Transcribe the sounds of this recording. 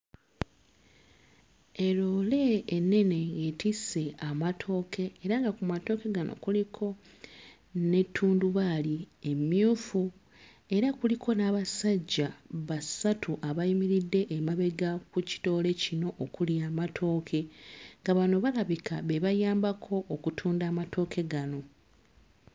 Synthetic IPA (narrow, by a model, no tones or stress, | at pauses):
e̞loːle̞ːnːe̞ne̞ŋɡe̞tise̞amatʰo̞ːkʰe̞ːɾaŋɡakumato̞ːke̞ɡano̞̰kulikʰo̞ | ne̞tʰːuːnduβalie̞mjuːfu | e̞ɾakulikʰo̞naβasaɟːaβasatʰuʔaβaimiɾidːe̞ʔːmaβe̞ɡakuci̥to̞ːle̞cino̞ʔːkuljaːmatʰo̞ːkʰe̞ŋɡaβano̞βalaβikʰaβeβajaːmbakʰo̞ʔːkutʰuːndaːmatʰo̞ːkʰe̞ɡano̞